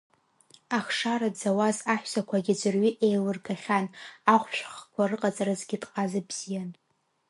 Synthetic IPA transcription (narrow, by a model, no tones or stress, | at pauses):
aχʂaɾadd͡zawazaħʷᶣsakʷʰaɡʲid͡ʒɨrɥiʔejlɨrɡaχʲanaχʷʃᶣχkʷʰarɨqʼat͡sʼaɾazɡʲɪdʼqʼazabz̥ijan